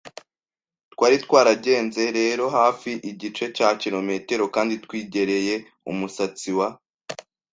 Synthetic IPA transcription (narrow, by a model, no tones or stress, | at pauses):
twaːɾitkwaːɾaɟe̞ːnze̞ɾe̞ːɾo̞ɦaːfiʔiɟit͡ʃe̞caciɾo̞me̞te̞ɾo̞kaːnditkwiːɟe̞ɾe̞je̞ | ṵmusat͡siwa